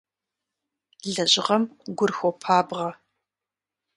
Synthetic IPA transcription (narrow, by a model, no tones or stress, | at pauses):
ɮɐʑɪʁɐmɡʷʊrxʷɔpʰaːbʁɐ